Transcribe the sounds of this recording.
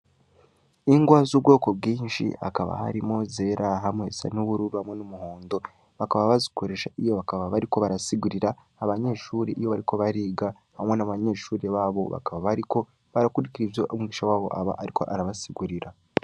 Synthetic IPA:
iŋɡwaːzub̚ɡo̞ːko̞bɡiːnʃḭa̰kaβa̰ha̰ɾimo̞ze̞ːɾʔaɦamwe̞sa̰nuβuɾuɾuhamŋe̞numuho̞ːndo̞ | βakaβaβaziko̞ɾe̞ʃaʔijo̞βakaβaβaɾiko̞βaɾasiɡuɾiɾaː | βaɲe̞ːʃuːɾeʔijo̞βaɾiko̞βaɾiːɡa | hamŋe̞naβaɲe̞ːʃuːɾeβaːβo̞̰βa̰kaβaβaɾiko̞ | βaɾakuɾikiɾivjoʔomuɡiːʃawaːβo̞̰ʔaβa̰ʔaɾikʰo̞̰ʔaɾaβasiɡuɾiɾa

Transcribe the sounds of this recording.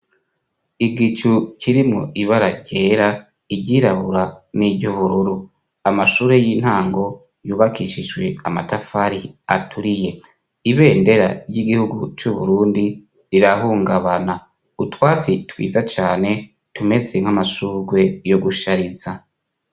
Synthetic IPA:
iɡit͡ʃuciɾimŋo̰ʔiβaɾaɟeːɾa | iɟiɾaβuɾaniɟoβuɾuɾu | amaʃuːɾe̞jiːn̥haːŋɡo̞ | juːβakiʃid͡ʒɡwe̞amatafaɾia̰tʰuɾije̞ | iβe̞ːnde̞ɾa̰ɾɟiɡihuɡut͡ʃuβṵɾuːndi | ɾiɾaɦuːŋɡaβana | utwaːt͡sitwḭːzat͡ʃaːne̞ | tume̞d͡ze̞ŋ̥amaʃuːɡwe̞jo̞ɡuʃaɾiza

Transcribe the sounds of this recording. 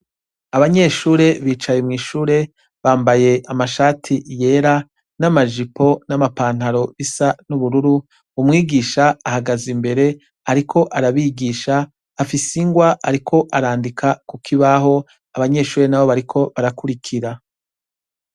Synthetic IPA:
aβaɲe̞ʃuːɾe̞βiːt͡ʃajemŋiːʃuːɾe̞ | βaːmbaje̞amaʃaːtʰije̞ːɾa | namaʒipo̞namapaːn̥haɾo̞βisanuβuɾuɾu | umŋiːɡiːʃaahaɡazimbe̞ɾe̞ | aɾikʰo̞ʔaɾaβiɡiːʃaː | fisiŋɡwaʔaɾikʰo̞ʔaɾaːndikʰakukʰiβaɦo̞ | aβaɲe̞ʃuːɾe̞naβo̞βaɾikʰo̞βaɾakuɾikʰiɾa

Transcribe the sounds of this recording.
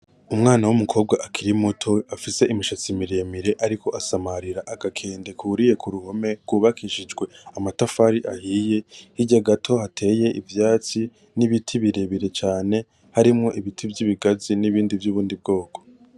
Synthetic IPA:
umŋaːnawumukʰo̞ːb̚ɡaʔakʰiɾimutʰo̞afise̞ʔimiʃat͡simiɾemiɾe̞ʔaɾikʰo̞ʔasamaɾiɾaʔaɡakʰe̞ːnde̞kʰuːɾije̞kʰuɾuho̞me̞ɡuːβakʰiʃid͡ʒɡwe̞amatafaɾiʔahije̞hiɟaɡatʰo̞hatʰe̞ːje̞ʔivjaːt͡si | niβitʰiβiɾe̞βiɾe̞t͡ʃaːne̞ | haɾimŋo̞ʔiβitʰivjiβiɡaziniβiːndivjuβuːndib̚ɡo̞ːkʰo̞̥

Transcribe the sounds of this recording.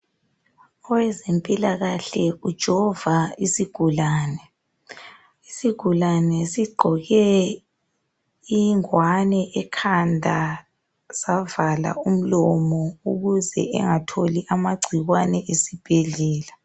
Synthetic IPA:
ɔwɛzempʼilaɣaɬɛud̥ʒ̥ʱɔvaisiɡ̥ʱulaːnɛ | isiɡ̥ʱulanɛsiɡ͡ǃʱɔɣɛ | iŋwanɛʔɛkʰandʱa | z̥avala̰um̩lɔmɔuɣuzɛ̰ʔɛ̰ŋatʰoliʔamaɡ͡ǀʱiɣwanɛʔesib̥ʱeɮɛːla

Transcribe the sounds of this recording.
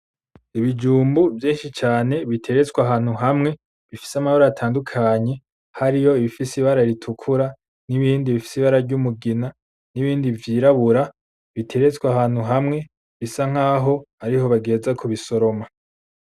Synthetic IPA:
iβid͡ʒuːmbuvjiːnʃit͡ʃaːne̞βitʰe̞ɾe̞t͡skwaɦaːn̥huɦamŋe̞ | βifi̥samahoɾaatʰaːndukʰaɲe̞ | haɾijo̞iβifisiβaɾaiɾitʰukʰuɾa | niβiːndiβifi̥siβaɾaɾɟumuɡina | niβiːndivjiːɾaβuɾa | βitʰe̞ɾet͡skwaɦaːn̥huɦamŋe̞ | βisaŋ̥aːɦo̞aɾiɦo̞βaɡe̞ːzakʰoβiso̞ɾo̞ma

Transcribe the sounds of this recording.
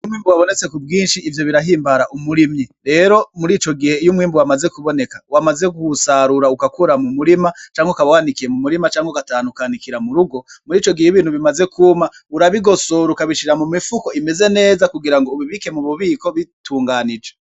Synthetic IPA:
jumŋiːmbuwaβo̞ne̞t͡se̞kub̚ɡiːnʃiːvjo̞βiɾaɦiːmbaɾaʔumuɾimɲiɾe̞ːɾo̞muɾiːt͡ʃo̞ɡihe̞ijumŋiːmbuwamaze̞kuβo̞ne̞kḁwamaze̞ɡuhusaɾuɾaukakuɾamumuɾimat͡ʃaːŋɡokaβawandikije̞mumuɾimat͡ʃaːŋɡokataːnukanikiɾamuɾuɡo̞muɾiːt͡ʃo̞ɡihejiβiːnhuβimazekʰuːma | uɾaβiɡo̞so̞ɾukaβiʃiɾamumifuko̞ime̞ze̞ne̞ːzakuɡiɾaŋɡoβiβike̞muβuβiːko̞βituːŋɡanid͡ʒe

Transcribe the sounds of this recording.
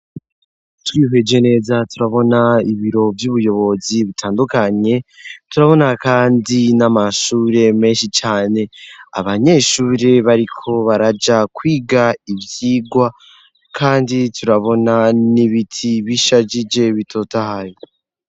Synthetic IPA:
twiɦe̞d͡ʒe̞ne̞ːzatuɾaβo̞naiβiɾo̞vjuβujo̞βo̞ziβitʰaːndukaɲe̞tuɾaβo̞nakaːndinamaʃuːɾe̞me̞ːnʃit͡ʃaːne̞a̰βaɲe̞ʃuːɾe̞βaɾikʰo̞βaɾad͡ʒakwiːɡaivjiːɡwa | kʰaːnditʰuɾaβo̞naniβitʰiβiʃad͡ʒid͡ʒe̞βitʰo̞tahajo

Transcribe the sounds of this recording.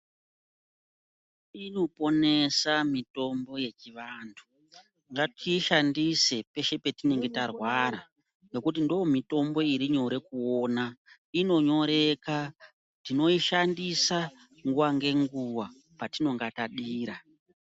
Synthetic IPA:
ino̞po̞ne̞samito̞mbo̞jet͡ʃiʋaːntʰu̥ | ŋɡatiʃandise̞pe̞ʃe̞pe̞tine̞ŋɡe̞tarwaɾa | no̞kut̬indoomito̞mbo̞iɾiɲo̞ɾe̞kuoːna | ino̞ɲo̞ɾe̞ka | tino̞iʃandisa | ŋɡuʋaŋɡe̞ŋɡuwa | patino̞ŋɡataɗiːɾa

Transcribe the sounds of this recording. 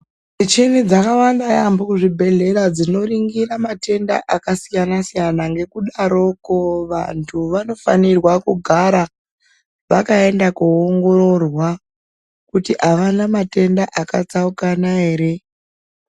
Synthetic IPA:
d͡zit͡ʃinid͡zakawandajamboʐibʱe̞ɮeɾad͡zino̞riŋɡiramate̞nda̰ʔakasijanasijanaŋɡe̞kuɗaɾo̞koʋa̰ntʰuʋano̞fa̰nirwakuɡʱaɾa | ʋakae̞ndakuoŋɡo̞ɾo̞rwa | kutiʔaʋanamate̞ndaʔakat͡saukanaɦe̞ːɾe̞

